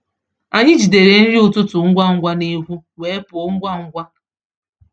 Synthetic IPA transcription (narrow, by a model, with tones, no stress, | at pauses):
a˨ɲɪ˦d͡ʒi˨de˨ɾe˨n̩˦ɾi˦ʊ˨tʊ˦tʊ˨ŋ̩˦ɡʷa˦ŋ̩˦ɡʷa˦ne˦ɦu˦weː˨˦e˦pʊ˨˦ŋ̩˦ɡʷa˦ŋ̩˦ɡʷa˦